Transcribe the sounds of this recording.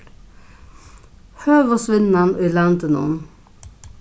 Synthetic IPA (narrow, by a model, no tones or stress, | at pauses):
høːʋosʋɪnːanʔiːlant̪ənṵːn